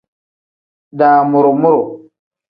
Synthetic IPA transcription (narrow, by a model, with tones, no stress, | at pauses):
da˨mo˨ɾo˨mu˦ɾo˨